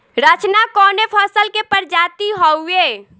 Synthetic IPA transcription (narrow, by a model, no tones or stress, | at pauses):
ɾət͡ʃnakɔnepʰəsəlkepəɾd͡ʒat̪iɦɔwe